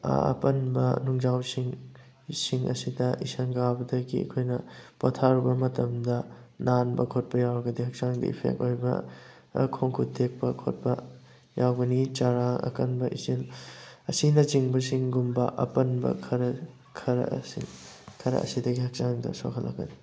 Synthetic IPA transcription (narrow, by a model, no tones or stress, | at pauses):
a̰ɐ̰pɐnbɐ̰nuŋzawsiŋ | siŋɐ̰sidɐisɐnɡabɐdɐɡiɐ̰kʰojnɐpotʰaɾubɐmɐtɐmdɐnanbɐkʰot̚pɐjawɾɐɡɐdihɐk̚saŋdɐ̰ḭpʰḛk̚tojbɐ̰ | kʰoŋkʰutʰek̚pɐkʰot̚pɐ̰ | jawɡɐnit͡ʃaɾaŋɐ̰kɐnbɐʔisinɐsinɐt͡ʃiŋbɐsiŋɡumbɐʔɐ̰pɐnbɐ̰kʰɐɾɐ | kʰɐɾɐ̰sikʰɐɾɐ̰ɐ̰sidɐɡihɐk̚t͡ʃaŋdɐ̰so̰kʰɐlːa̰ɡɐni